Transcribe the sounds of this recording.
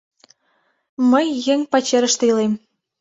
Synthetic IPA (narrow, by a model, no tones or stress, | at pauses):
məjːeŋʲpɑt͡ɕeɾəʃt̪eilem